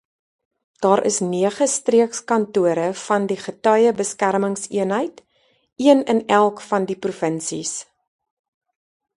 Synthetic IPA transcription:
d̥ɑːɾʔə̰sniəχəstriəkskɐntuəɾəfɐndiχətœjəbəskærməŋsiənɦəjt | iənənælˠkfɐndiprufənsḭs

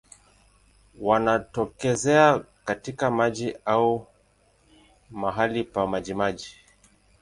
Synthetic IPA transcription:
wanatɔkɛzɛakatikamaʄiau | maɦalipamaʄimaʄi

